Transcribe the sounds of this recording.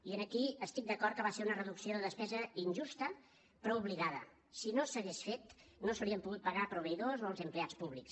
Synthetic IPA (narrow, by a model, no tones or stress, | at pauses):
iənəkiəst̪ik̚d̪əkɔɾt̪̚kəβaseɾunərəðuksioðəðəspɛzəinʲʒust̪ə | pɾɔuβ̞liðaðə̰ | sinosəɣesfet̪nosəwɾiəmpuɣut̪̚pəɣapɾuβ̞əiðozoəlˠzəmpleat͡spuβliks